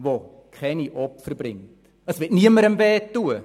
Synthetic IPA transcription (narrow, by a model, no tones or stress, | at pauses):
ʋo | kʰɛniʔɔpfəɾbɾɪŋt | əsʋɪtniəməɾəmbɛːtːuə